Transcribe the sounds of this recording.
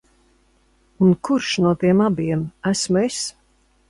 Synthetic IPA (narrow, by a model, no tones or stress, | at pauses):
unkuɾʃnuɔt̪iɛmabiɛmæsmes